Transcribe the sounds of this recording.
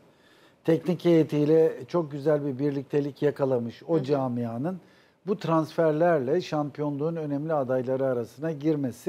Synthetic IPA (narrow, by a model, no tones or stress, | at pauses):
t̪ʰɛcnicʰejet̪ʰijlʲɛt͡ʃʰo̞k̚ɟyzælʲbibiɾlʲic̚t̪ʰe̞lʲicjakʰalˠamɯʃo̞d͡ʒaːmijaːnɯn | but̪ʰɾansfæɾlʲæɾlʲɛʃampijo̞nlˠuːnønɛmlʲiad̪ajlˠaɾɯaɾasɯnaɟiɾme̞sɪ